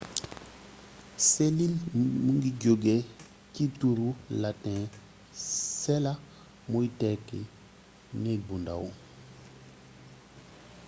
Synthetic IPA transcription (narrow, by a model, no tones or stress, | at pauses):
selilmuŋɡiɟoɡɛ | cituɾulatɛ̃ | sɛla | mojtɛkɛ | nebunda̰wu